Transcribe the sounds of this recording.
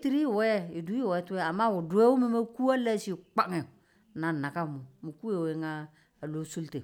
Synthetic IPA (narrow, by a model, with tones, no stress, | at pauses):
ti˦ɾi˦˨wɛ˦i˨du˦˨wɛ˨˦tu˦ɛ˦a˨mːa˦wʊ˨dʊ˨˦e˦wu˦mi˦ma˦ku˦a˦la˦si˦˨k͡pa˦˨ŋɛ˨ | na˨na˨ka˦˨mʊ˨mi˨ku˦e˨we˨˦ŋaː˦˨ | lo˦su˦lte˨